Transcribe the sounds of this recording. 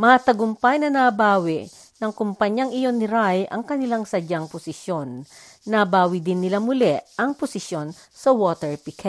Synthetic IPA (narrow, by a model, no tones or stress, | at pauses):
mɐat̪ɐɡʊmpɐjnɐnaːbaːwɪ | nɐŋkʊmpɐɲjɐŋɪjo̞nːɪɾajʔɐ̰ŋkɐnɪlaŋsɐd͡ʒaŋpʊsɪsjonː | ɐbaːwɪd̪ɪnːɪlamʊlɛʔɐŋpʊsɪsjo̞n | sɐwoːt̪ɛɹpɪkʰɛ